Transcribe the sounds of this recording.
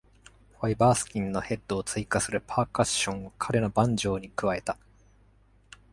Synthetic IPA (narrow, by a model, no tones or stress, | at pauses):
ɸaibaːsɨ̥kʲĩnno̞he̞d̪ːo̞ːt͡sɨikasɨɾɯ̟pʰaːkaɕõ̞ɰ̃okʰaɾe̞no̞bãɲ̟d͡ʑo̞ːɲ̟ikɯ̟βae̞t̪a